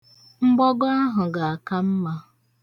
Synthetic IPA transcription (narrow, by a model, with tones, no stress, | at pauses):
ŋ͡m̩˦ɡ͡bɔ˦ɡɔ˦a˦ɦʊ˨ɡa˨a˨ka˦m̩˦ma˦